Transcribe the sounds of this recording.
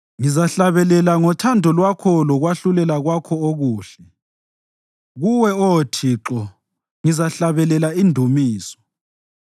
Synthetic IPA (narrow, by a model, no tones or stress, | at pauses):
ŋizaɬaβɛlɛlaŋɔtʰandʱɔlwakʰɔlɔɣwaɬulɛlaɣwakʰɔoɣuːɬɛ | ɣuwɛɔtʰiǁɔ | ŋizaɬaβɛlɛlaindʱumiːsɔ̥